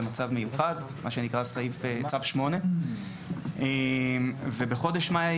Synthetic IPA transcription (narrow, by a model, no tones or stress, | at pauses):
mat͡savme̞juχad̪ | maʃe̞nikʁasaifet͡savʃmo̞ne̞ | emvebeχo̞d̪eʃma